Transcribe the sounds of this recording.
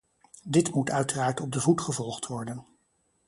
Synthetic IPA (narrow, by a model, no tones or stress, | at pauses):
dɪtmutœɥtəraːɹtɔb̚dəvutχəvɔlˠχtʋɔɹdən